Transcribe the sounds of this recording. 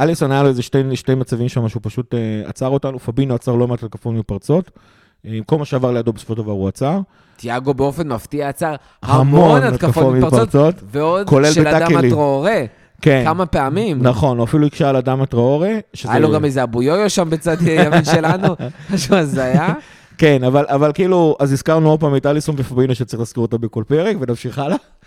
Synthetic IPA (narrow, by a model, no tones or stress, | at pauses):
alisonajaloezeʃteʃtejmat͡savimʃamaʃeupaʃutea̰t͡saʁo̞tanufabinoat͡saʁlomatat̪̚kafotmipaʁt͡so̞t | ko̞lmaʃeavaʁlejadobeso̥foʃd̪avʁaʁuat͡saʁ | t̪jaɡo̞beo̞fe̞nmaftiaːt͡saʁ | haamonaat̪kakafoomiʁpaott͡sot̪veod̪ko̞lelʃbead̪aakealiʁooʁe | ke̞namapeamimnaχo̞noafiluikʃaaladamat̪ʁooʁeʃezajaloɡamezeabujooʃambet͡sad̪jaminʃelanuaʃuazaja | ke̞navalʔavalkiiluaziskaʁnuod̚paːmit̪alisonvefabinoʃett͡saʁiχlaskiʁot̪abeko̞lpeʁekvenafʃiχala